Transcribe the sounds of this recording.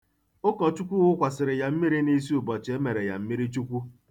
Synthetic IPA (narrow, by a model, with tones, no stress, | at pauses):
ʊ˦kɔ˨t͡ʃu˦kʷu˦ɣʊ˦kʷa˨sɪ˨ɾɪ˨ja˨m̩˦mi˦ɾi˦ni˦s̬i˦u˨bɔ˨t͡ʃe˦me˨ɾe˨ja̰˨m̩˦mi˦ɾi˦t͡ʃu˦kʷu˦